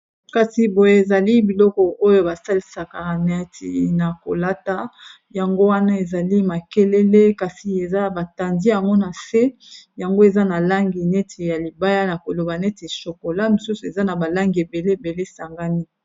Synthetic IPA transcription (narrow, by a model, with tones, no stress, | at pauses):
ka˨si˨bo˨je˦e˨za˨li˦bi˨lɔ˦kɔ˨o˦jo˦ba˨sa˦li˦sa˨ka˨nɛ˦tʰḭ˨na˨ko̰˨la˦ta˦ | ja˨ŋɡo˦wa˦na˦e˨za˨li˦ma˨ke˦le˦le˦ka˨si˨e˨za˦ba˨ta˨ndi˦ja˨ŋɡo˦na˨se˦ | ja˨ŋɡo˦e˨za˦na˨la˦ŋɡi˨nɛ˦tʰe˨ja˨li˨ba˦ja˦na˨ko˨lo˨ba˨nɛ˦te˨ʃo˨ko˨la˦mi˨su˦su˨e˨za˦na˨ba˨la˦ŋɡi˨e˨be˨le˦˨be˨le˦sa˨ŋɡa˦ni˦